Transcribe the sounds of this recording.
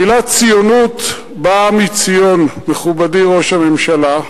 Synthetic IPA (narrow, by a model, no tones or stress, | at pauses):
ilat͡sijonut | bamit͡sijo̞nmeχubadiʁo̞ʃhame̞mʃala